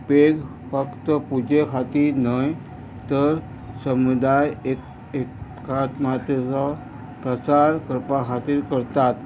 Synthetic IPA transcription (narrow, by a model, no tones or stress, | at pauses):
peɡ | fəkt̪əpud͡ʑekʰat̪inəj | t̪əɾ | səmud̪ajek | ekʰː | at̪mat̪ət͡sɔ | pɾət͡saɾkəɾpakʰat̪iːɾkəɾt̪at̪